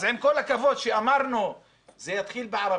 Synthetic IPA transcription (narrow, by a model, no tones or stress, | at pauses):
zʔenkolːakavoːd̪ʃeʔamɑɾˤnu | zejat̪χiːlbɪʕɑɾˤɑ